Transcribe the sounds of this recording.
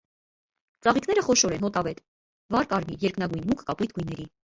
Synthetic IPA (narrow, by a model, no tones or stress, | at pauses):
t͡sɑʁikʰn̪ɛɾəχɔʃɔɾɛnɦɔt̪ɑvɛt̪ | vɑɾkɑɾmijɛɾknɑɡujnmukʰkɑpujt̪̚ʰɡujnːɛɾi